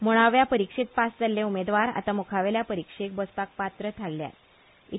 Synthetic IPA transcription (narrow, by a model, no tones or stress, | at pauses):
moɽ̃aʋjapəɾikʂit̪̚pasd͡zaljeumed̪ʋaɾa̰t̪amukʰaʋeljapəɾikʂek̚bəspak̚pat̪ɾət̪ʰalːja̰t̪̚ | i